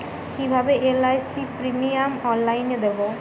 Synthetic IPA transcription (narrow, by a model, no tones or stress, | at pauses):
kibʱabeʔelajsipɾimiamɔnlajnd̪ebo